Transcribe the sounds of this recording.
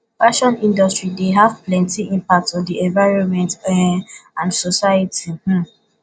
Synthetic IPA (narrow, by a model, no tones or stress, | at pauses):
faʃɔ̃nĩndɔstɹideɦav̥plɛ̃ntiĩmpak̚tɔ̃ndiɛ̃nvaɹɔ̃nmɛ̃nt | ãndsɔsajətih̩